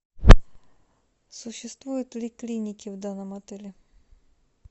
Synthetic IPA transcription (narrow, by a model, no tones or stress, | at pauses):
sʊɕːɪst̪ʋujʊt̪̚ʲlʲiklʲinʲikʲiwd̪ɑnɔmɔt̪ɛlʲi